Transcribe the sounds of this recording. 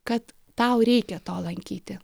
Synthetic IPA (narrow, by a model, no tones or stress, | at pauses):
kɐt̪ːɐʊɾʲɛɪkʲɛt̪oːlˠɐŋʲkʲiːt̪ʲɪ